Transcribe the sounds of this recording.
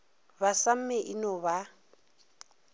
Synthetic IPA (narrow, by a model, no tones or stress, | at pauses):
βasam̩mɛʔinɔβa